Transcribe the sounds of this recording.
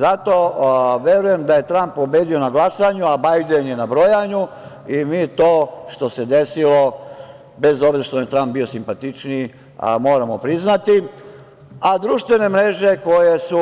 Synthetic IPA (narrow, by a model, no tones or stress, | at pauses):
zat̪o̞ʋe̞ɾuje̞md̪aje̞t̪ɾampːobeːd̪io̞naɡlasaɲuabajd̪enjenabɾo̞jaɲu | imiːt̪oːʃt̪o̞se̞d̪esilo̞ | be̞zoʋzeʃt̪ojet̪ɾamp̚bio̞simpat̪it͡ʃnḭ | mo̞ːɾamo̞pɾiznat̪i | ad̪ɾuʃt̪ʋe̞ne̞mɾe̞ʒe̞ko̞jesu